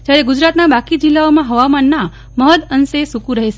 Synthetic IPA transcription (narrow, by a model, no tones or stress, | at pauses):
d͡ʒjaɾeɡud͡ʒɾat̪nabakid͡ʒilːaomãɦəʋamanːa | məɦəd̪ənsesukũɾəɦeʃe